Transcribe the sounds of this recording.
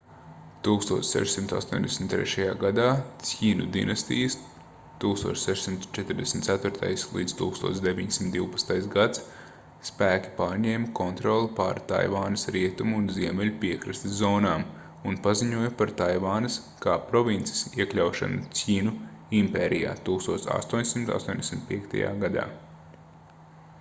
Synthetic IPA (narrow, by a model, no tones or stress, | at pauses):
t̪uːkst̪ṵɔːtsʲsɛ̰ʃsimt̪a̰st̪uːɲʲd̪esm̩ʲt̪ːɾɛ̰ʃajaːɡad̪aːsʲiːnṵd̪ḭnɐst̪ḭjəs | t̪uːkst̪uɔt͡ʃsɛʃsimt̪t͡ʃɛt̪ɾd̪ɛsm̩ʲt̪sæt̪vʊɾt̪ʰa̰jslˠḭːd̪z̥t̪uːkst̪uɔːtsd̪evʲiɲsimt̪d̪iwpɐ̥t̪st̪ajsɡat̪s | spæːkʲi̥paːɾɲɛːmkɔnt̪ɾɔlˠipa̰ːɾt̪a̰jʋaːnɐsɾiɛt̪umuːnziɛmɛlʲupiɛkɾast̪izɔːnaːm | unpaziɲuɔjpaɾt̪ajʋaːnɐs | kaːpɾɔvint̪si̥siɛklʲawʃa̰nuiːnuimpeːɾija̰ːt̪uːkst̪uɔt̪sa̰st̪uɔɲʲsimt̪a̰st̪uɔɲʲd̪ʲesʲmʲt̪̚piɛkt̪a̰ja̰ːɡad̪a̰ː